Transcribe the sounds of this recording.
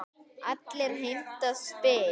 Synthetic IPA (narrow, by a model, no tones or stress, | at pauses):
at̪leɾɦint̪əspe